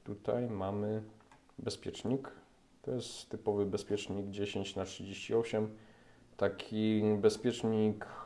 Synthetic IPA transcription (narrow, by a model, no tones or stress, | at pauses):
t̪ut̪a̰jmamɘ | bɛspʲjɛt͡ʂɲik | t̪ɔ̰jɛst̪t̪ːɘpɔvɘbɛspʲjɛt͡ʂɲiɡd͡ʑeɕeɲt͡ɕnatʂɨd͡ʑeɕt͡ɕiɔɕɛm | t̪akʲʰibɛspʲjɛt͡ʂɲik